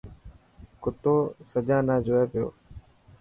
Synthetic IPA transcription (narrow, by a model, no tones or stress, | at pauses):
kʊt̪oːsəd͡ʒãːnãːd͡ʒoːeːpɪjo̰ː